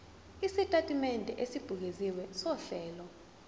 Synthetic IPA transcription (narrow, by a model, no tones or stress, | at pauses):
isitʼatʼimɛndʱɛ̰ʔesib̥ʱuk̬eziwɛsɔɬɛːlɔ